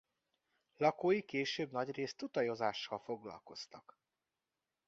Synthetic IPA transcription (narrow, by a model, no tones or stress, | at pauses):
lɒkoːjikeːʃøːbnɒɟreːst̪ut̪ɒjo̞zaːʃːɒlfo̞ɡlɒ̰lko̞st̪ɒk